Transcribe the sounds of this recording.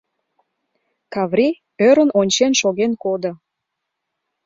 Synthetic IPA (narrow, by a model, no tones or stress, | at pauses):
kɑβrʲi | øɾənonʲt͡ɕenʃoɣenkod̪ŏ